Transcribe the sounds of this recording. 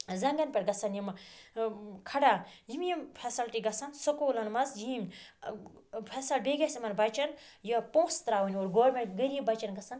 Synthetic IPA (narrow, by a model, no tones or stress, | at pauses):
zɐŋɡɐnpʲeɾɡɐsɐnjim | kʰɐɽaːjimjimpʰesɐlʈiɡɐsɐnsɐkoːlɐnmɐzjiːm | pʰesɐlbeɡʲɐsimɐnbɐt͡ʃɐnjɐpõːst̪ɾaːwunʲoːɾɡoːɾmeɡəɾjibɐt͡ʃɐnɡɐsɐn